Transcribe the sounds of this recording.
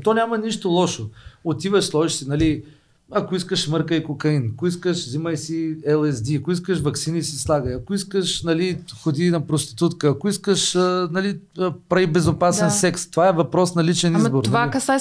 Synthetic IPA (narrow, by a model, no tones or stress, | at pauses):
t̪ɔnʲamɐniʃt̪olˠɔʃoot̪ivəʃslˠɔʒisinɐli | ɐkoiskəʃmɤɾkəikokɐinɐkoiskəʃziməjsiɛlˠɛzd̪iɐkoiskəʃvɐksinisislˠaɡəjɐkoiskəʃnɐlixod̪inɐpɾost̪i̥t̪ut̪kəːkoiskəʃnɐlipɾɐibɛzopasɛnsɛkst̪ovaɛvɐpɾɔsnɐlit͡ʃɛnizboɾnovaikɐsa